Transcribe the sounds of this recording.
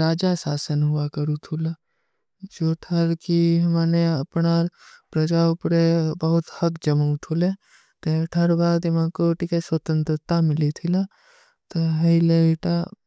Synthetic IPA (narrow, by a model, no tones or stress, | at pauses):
ɾaːd͡ʒasaːsənɦʊakəɾut̪ʰula | d͡ʒoːʈʰəɾkiɦmaːneɐpnapɾəd͡ʒaʊpɾebɐɦʊt̪hɐkd͡ʒəmut̪ʰule | t̪eʈʰəɾbʱaːɡd̪ɪmãkoʈikeswət̪ə̃nt̪ɾət̪amɪlit̪ʰɪla | t̪oɦɐileiʈa